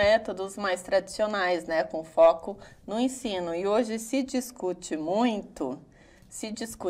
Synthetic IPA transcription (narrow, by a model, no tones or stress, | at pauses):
ɛt̪od̪ʊzmajst̪ɾad͡ʒisionajznɛkõfɔkʊnʊẽsĩnʊɪoʒɪsɪd͡ʒiskut͡ʃɪmũj̃t̪ʊ | sɪd͡ʒisku